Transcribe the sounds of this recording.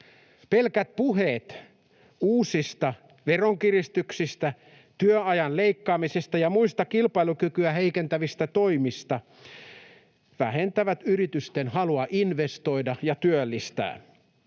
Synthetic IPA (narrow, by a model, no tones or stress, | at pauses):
pelkæt̪̚puɦeːt̪ | uːsist̪ɑ | ʋeroŋkirist̪yksist̪æ | t̪yøɑjɑnleikːɑːmisest̪æjɑmuist̪ɑkilpɑilukykyæheikent̪æʋist̪æt̪oimist̪ɑ | ʋæhent̪æʋæt̪yrit̪yst̪enhɑluɑʔinʋest̪o̞idɑjɑt̪yølːist̪æ̰ː